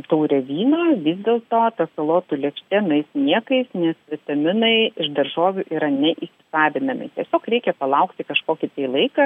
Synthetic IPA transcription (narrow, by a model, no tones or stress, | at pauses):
t̪ɐʊɾʲɛʋʲiːnoːʋʲiːzʲd̪ʲeːlˠt̪oːt̪ɐsɐlˠoːt̪ulʲɛkʃʲt̪ʲenɐɪsnʲiɛkɐɪsnʲɛsʋʲɪt̪ɐmʲɪnɐɪɪʃd̪ɐrʒoːʋʲuʔiːɾɐnʲɛʔiːsʲɪ̥sɑːʋʲɪnɐmʲɪ̰t̪ʲiɛsʲoːkɾʲɛɪkʲɛpɐlˠɐʊkt̪ʲɪkɐʃkoːkʲɪt̪ɐɪlˠɐɪkɐ